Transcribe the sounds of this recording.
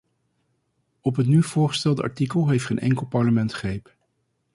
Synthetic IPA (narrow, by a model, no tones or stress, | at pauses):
ɔpɦətnyv̥ʊːɹχə̥stɛlˠdəʔɑ̰ɹtikəlˠɦejftχejnʔɛ̰ŋkəlˠpɑɹləmɛntχrejp